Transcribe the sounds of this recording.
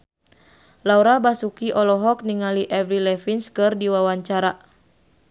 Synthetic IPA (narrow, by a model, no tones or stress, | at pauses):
lauɾabasukiʔɔlɔɦɔk̚niŋaliʔɛvɾilɛfinskɨrdiwawaɲt͡ʃaɾa